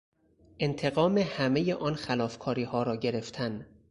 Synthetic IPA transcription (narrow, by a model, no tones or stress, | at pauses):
ʔe̞nt̪ʰe̞ɣɒːmehæmejeʔɒːnxælɒːfkʰɒːɾiːhɒːɾɒːɟe̞ɾe̞ft̪ʰæn